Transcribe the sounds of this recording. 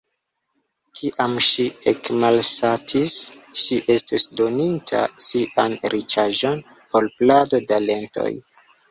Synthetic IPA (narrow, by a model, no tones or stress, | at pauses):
kʰiʔamʃiekmalsatʰis | ʃiʔestisdo̞nintʰa̰siʔanɾit͡ʃaʒo̞n | po̞lplado̞dale̞nto̰j